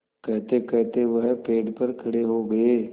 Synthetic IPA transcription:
kɛɦt̪ekɛɦt̪eʋɐɦpeːɖpɐɾkʰɐɽeɦoɡɐeː

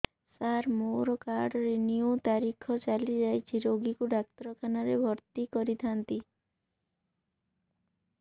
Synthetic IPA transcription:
saɾmoɾɔkaɾɖɔɾinijut̪aɾikʰɔt͡ʃalid͡ʒajt͡ʃʰiɾoɡikuɖakt̪ɾɔkʰanaɾebʱɔɾt̪ikɔɾit̪ʰant̪i

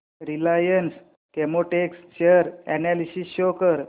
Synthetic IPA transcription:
ɾilajəns | kemoʈekst͡ɕeəɾɛnɛlisisɕokəɾ

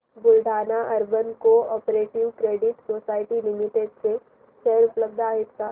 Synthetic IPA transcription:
bʊlɖʱaːnaʔɐɾbənkoɔːpɾeːʈɪʋkɾeːɖɪʈsoːsaːɪʈilɪmɪʈeɖse | ʃɛjəɾʊpləb̚d̪ʱaːɦɪt̪kaː

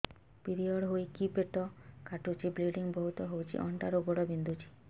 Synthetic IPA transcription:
piɾiɔɽɦojkipeʈɔkaʈut͡ʃʰibliɖiŋbɔɦut̪ɔɦowt͡ʃʰḭʔɔɳʈaɾoɡɔɽɔbind̪ʱut͡ʃʰi̥

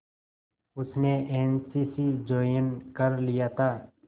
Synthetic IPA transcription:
ʊsneʔeːnsiːsid͡ʒoːjənkəɾlijat̪ʰaː

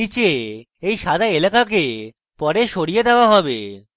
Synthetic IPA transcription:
it͡ɕe | ejʃad̪ʱaelakake | pɔɾeʃoɽijed̪eoaɦɔbḛ

